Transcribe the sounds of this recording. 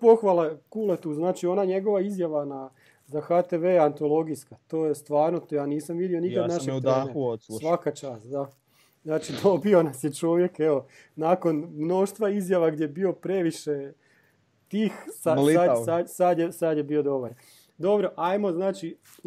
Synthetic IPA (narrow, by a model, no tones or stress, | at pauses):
po̞xʋalˠakulet̪uːznaːt͡ʃio̞naɲe̞ɡo̞ʋaizjaʋana | zaxat̪eʋeːant̪o̞lˠo̞ɡiskat̪o̞ːjest̪ʋaːɾnot̪ojaːniːsamʋid̪io̞niad̪naʃeɡ̪eaeuosʋakat͡ʃaːst̪d̪a | znaːt͡ʃid̪o̞bio̞nasjet͡ʃo̞ʋje̞keʋo | naːko̞nmno̞ʃt̪ʋaizjaʋaɡdjebio̞pɾe̞ʋiʃe | t̪iːxsaladsad̪sad̪jesad̪jebiːo̞d̪o̞baɾ | d̪o̞bɾo̞ʔajmo̞znaːt͡ʃi